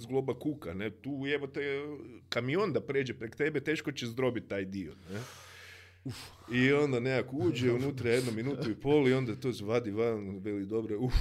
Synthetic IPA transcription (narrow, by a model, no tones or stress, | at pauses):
zɡlˠobakukanet̪uːeʋot̪ojkamio̞nd̪apɾeːd͡ʒepɾekt̪ebet̪eːʃko̞t͡ɕezd̪ɾo̞bit̪̚tːaːjd̪ione | u | io̞nd̪aneakouːd͡ʒeunut̪ɾaje̞d̪nominuːt̪uipoːlio̞nd̪at̪oːsʋad̪iʋanʋelid̪o̞bɾeu